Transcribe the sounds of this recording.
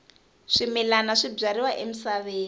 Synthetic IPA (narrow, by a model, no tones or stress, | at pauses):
ʂimɛlanaʂib͡ʐaɾiwaʔem̩saβeː